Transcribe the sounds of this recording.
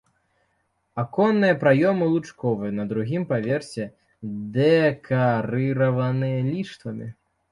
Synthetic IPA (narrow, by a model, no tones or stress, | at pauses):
akɔnːɨjɐpɾajɔmɨlˠut͡ʂkɔvɨjɐnɐd̪ɾuɣʲimpavʲɛrsʲɛ | d̪ɛkʰaɾɨɾɐvɐnɨjɐlʲiʂt̪vɐmʲḭ